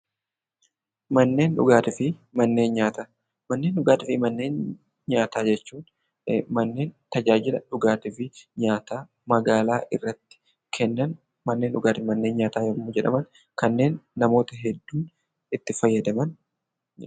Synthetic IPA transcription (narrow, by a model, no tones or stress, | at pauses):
mɐnːe̞ːnᶑʊ̰ɡaːt̪ɪfɪmɐnːe̞ːnɲaːt̪a | mɐnːeːnᶑʊɡaːt̪ɪfɪmɐnːe̞ːn | ɲaːt̪aːd͡ʒɛt͡ʃːuːn | mɐnːe̞ːnt̪ɐd͡ʒaːd͡ʒɪlɐᶑʊɡaːt̪ɪfɪɲaːt̪aː | mɐɡaːlaːʔɪrːɐt̪ːɪ̥ | kʰɛnːɐn | mɐnːeːnᶑʊɡaːt̪ɪmɐnːe̞ːnɲaːt̪aːjɐmːʊd͡ʒɛᶑɐ̰mɐn | kɐnːe̞ːnːɐmo̞ːt̪ɐɦɛd̪ːuːn | ɪt̪ːɪfɐjːɐd̪ɐmɐn